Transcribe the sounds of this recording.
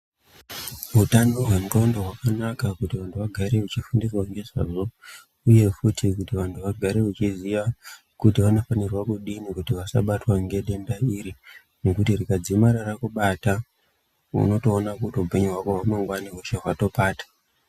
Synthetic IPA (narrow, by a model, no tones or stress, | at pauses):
ɦutandoɦwemrondoɦwakanakakutiʋantʰuʋaɡʱaɾeut͡ʃifundirwaŋɡe̞ʐa̰ːʐo̞ | uje̞futikutiʋantʰuʋaɡʱaɾe̞ut͡ʃiziʋa | kutiʋano̞fanirwakuɗinikutiʋasa̰ɓatwaŋɡe̞ɗe̞mbaiɾi | nekutirikad͡zimaɾarakuɓata | ṵno̞to̞ːnakutiupe̞ɲuɦwakoɦwamaŋɡwaniɦoʃeɦwato̞paːtḁ